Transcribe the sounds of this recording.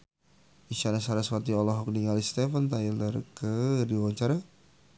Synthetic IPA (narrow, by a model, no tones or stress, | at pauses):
iʃanasaɾaswat̪iɔlɔɦɔk̚niŋalist̪ɛfənt̪ajlərkədiwawaɲt͡ʃaɾa